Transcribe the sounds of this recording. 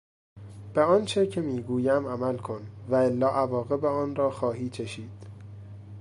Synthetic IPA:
b̥eɒːnt͡ʃʰecʰemiːɡuːjæmæmælkʰo̞nvæelːɒːʔævɒːɣe̞beɒːnrɒːxɒːɦiːt͡ʃʰeʃiːd̪̥

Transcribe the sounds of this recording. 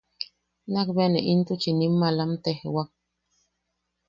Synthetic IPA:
nakbenḛʔint̪ut͡ʃinimːalamt̪ehḛwak̚

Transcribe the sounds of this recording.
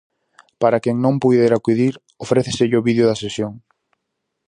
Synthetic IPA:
paɾakeŋnõmpujðeɾakuðiɾ | ofɾeθesɪʎɪoβiðjoðɐsesjoŋ

